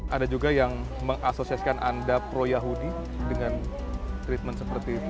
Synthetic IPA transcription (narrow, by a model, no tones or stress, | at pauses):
ʔadad͡ʒuɡajaŋ | məŋasosiasi̥kanʔa̰ndapɾojaɦudi | dəŋan | t̪ɾit̪̚mənsəpərt̪it̪